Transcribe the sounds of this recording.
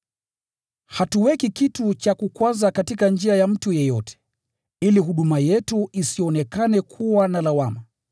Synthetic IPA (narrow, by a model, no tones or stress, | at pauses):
hatuwɛkikitut͡ʃakukwazakatikand͡ʒiajam̩tujɛjɔtʰɛ̥ | iliɦuɗumajɛtuisiɔnɛkanɛkʰuwanalawama